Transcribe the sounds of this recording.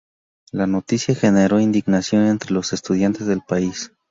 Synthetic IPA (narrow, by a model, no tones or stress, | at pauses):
lano̞t̪isjaxe̞ne̞ɾo̞ind̪iɣnasjo̞ne̞nt̪ɾe̞lo̞se̞st̪uð̞jant̪e̞zðe̞lpais